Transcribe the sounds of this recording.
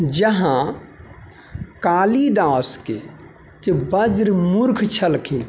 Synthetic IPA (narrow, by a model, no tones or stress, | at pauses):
d͡ʒəɦã | kaːlid̪aːske | t̪ebəd͡ʒɾmuɾkʰt͡ʃʰəlkʰin